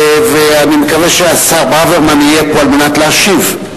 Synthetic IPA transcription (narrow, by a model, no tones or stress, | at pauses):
veanime̞kaveʃeasaʁbaveʁmanijepoalmenatleaʃiv